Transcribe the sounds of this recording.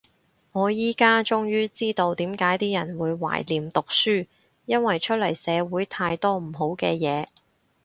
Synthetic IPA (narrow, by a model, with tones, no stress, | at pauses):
ŋɔː˨˧jiː˥kaː˥t͡ʃʊ˥ŋjyː˥t͡siː˥t̪o˧wt̪iː˨˥mkaː˨˥jt̪iː˥jɐ˨˩nwuː˨˧jwa̰ː˨˩jliː˨˩mt̪ʊ˨k̚syː˥ | jɐ˥nwɐ˨jt͡ʃʰɵ˥t̚lɐ˨˩jsɛː˨˧wuː˨˥jt̪ʰaː˧jt̪ɔː˥m̩˨˩ɦo˨˥wkɛː˧jɛː˨˧